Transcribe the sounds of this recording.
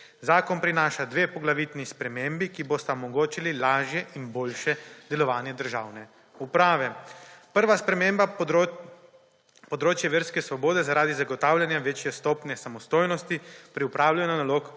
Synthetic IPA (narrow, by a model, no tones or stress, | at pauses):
zaːkɔnpɾinaːʃad̪ʋeːpɔɡlaʋiːt̪nispɾɛmeːmbikibost̪aɔmɔɡoːt͡ʃililaːʒjɛʔinboːlʃɛd̪ɛlɔʋaːnjɛd̪əɾʒaːwnɛ | upɾaːʋɛpəɾʋaspɾɛmeːmba | pɔd̪ɾoːt͡ʃjɛʋeːɾskɛsʋɔboːd̪ɛzaɾaːd̪izaɡɔt̪aːwlʲjanjaʋeːt͡ʃjɛst̪oːpnɛsamɔst̪oːjnɔst̪ipɾiupɾaːwlajunanaloːk